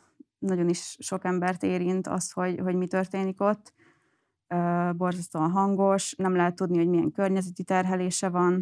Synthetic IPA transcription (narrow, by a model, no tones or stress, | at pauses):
nɒɟo̞niʃːo̞kɛmbɛrt̪eːɾint̪ʰɒ̰st̪ho̞ɟɦo̞ɟmit̪ø̞rt̪eːniko̞t̪ː | øːbo̞rzɒst̪oːnɦɒŋɡo̞ʃnɛmlɛɦɛt̪ːud̪nihoɟmijɛŋkørɲɛzɛt̪it̪ɛrɦɛleːʃɛvɒn